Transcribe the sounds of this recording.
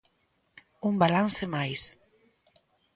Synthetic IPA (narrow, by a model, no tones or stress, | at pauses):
umbalansemajs